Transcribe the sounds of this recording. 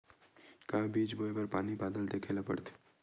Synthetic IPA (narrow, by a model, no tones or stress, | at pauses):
kaɦãbiːt͡ʃboːebɐɾpaːnibaːd̪əlt̪ekʰelapə̰ɽt̪ʰː